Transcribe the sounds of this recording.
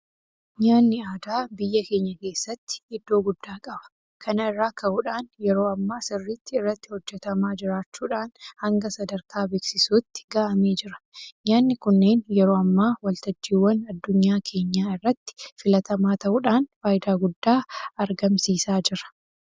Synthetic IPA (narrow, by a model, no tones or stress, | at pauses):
ɲaːnːɪaːd̪aːbɪjːɐke̞ːɲːɐke̞ːsːɐt̪ːɪ̥hɪd̪ːo̞ːɡʊd̪ːaːkʼɐbɐ̥ | kʰɐnɐɪrːaːkɐʔuːᶑaːnjɛɾo̞ːɐmːaːsɪrːɪt̪ːɪɪrːɐt̪ːɪ̥hɔd͡ʒːɛt̪ɐmaːd͡ʒɪɾaːt͡ʃːuːᶑaːnhɐŋɡɐsɐd̪ɐɾkʰaːbe̞ːksɪsuːt̪ːɪ̥ɡaːʔɐme̞ːd͡ʒɪɾɐ̥ɲaːnːɪkʊnːe̞ːnjɛɾo̞ːɐmːaːwɐlt̪ɐd͡ʒːiːwːɐnɐd̪ːʊɲːaːkʰe̞ːɲːaːɪrːɐt̪ːɪ̥fɪlɐt̪ɐmaːt̪ɐʔuːᶑaːnfaːjd̪aːɡʊd̪ːaːɐɾɡɐmsiːsaːd͡ʒɪɾɐ̥